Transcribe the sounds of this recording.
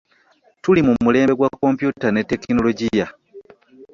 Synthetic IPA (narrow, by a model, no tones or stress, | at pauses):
tulimumule̞ːmbeɡwakːo̞mpjutane̞tːe̞kno̞loɟija